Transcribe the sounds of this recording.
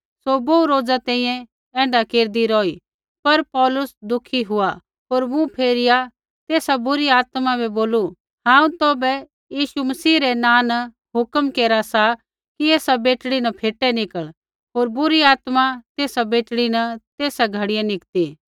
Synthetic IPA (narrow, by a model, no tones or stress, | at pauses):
soboːuɾoːd͡zat̪ɛ̃ːĩːjɛ̃ | ɛ̃ːɳɖakeːɾd̪iɾɔːi | pɐɾpɔːlʊsd̪ʊkʰiɦʊa | ɦoːɾmũpʰeːɾɪja | t̪eːsabʊɾiaːt̪mãbɛboːlu | ɦãːũt̪oːbɛ | jiːʃumɐsiːɾɛnãːn | ɦʊkəmkeːɾasa | kieːsabeːʈɽinɐpʰeːʈɛnɪkəɭ | ɦoːɾbʊɾiaːt̪mat̪eːsabeːʈɽinɐt̪eːsaɡʱɐɽɪjãnɪkt̪iː